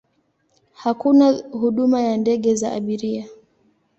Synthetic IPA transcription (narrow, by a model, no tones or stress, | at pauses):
hakunahuɗumajandɛɠɛzaʔa̰ɓiɾia